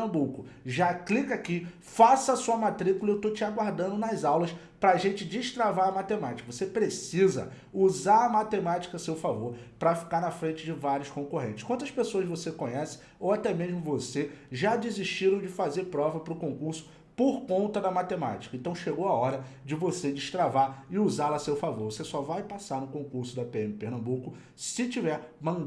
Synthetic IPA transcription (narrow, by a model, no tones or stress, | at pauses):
ɐ̃bukʊʒaklikaki | fasɐːsuɐmat̪ɾikulɐewt̪ot͡ʃɪaɡwaɾd̪ɐ̃nd̪ʊnɐzawlɐs | pɾɐːʒẽt͡ʃɪd͡ʒɪʃt̪ɾavaɾɐmat̪emat͡ʃi̥kɐvosepɾesizɐ̰ | uzaɾɐmat̪emat͡ʃi̥kɐsewfavoɾpɾɐfi̥kaɾnɐfɾẽt͡ʃɪd͡ʒɪvaɾjʊskõkoɦẽt͡ʃɪ̥ʃkwɐ̃t̪ɐsʃpesoɐʃvosekõɲɛsɪ̥ | owat̪ɛmeʒmʊvoseʒad͡ʒɪziʃt͡ʃiɾɐ̃w̃d͡ʒɪfazeɾpɾɔvɐpɾʊkõkuɾsʊ̥ | poɾkõnt̪ɐd̪ɐmat̪ema̰t͡ʃi̥kɐẽnt̪ɐ̃w̃ʃeɡowaɔɾɐd͡ʒɪvosed͡ʒɪʃt̪ɾavaɾɪuzalɐsewfavoɾvosesɔvajpasaɾnʊkõkuɾsʊd̪ɐpeẽmɪpeɾnɐ̃mbukʊ | sɪt͡ʃivɛɾmɐ̃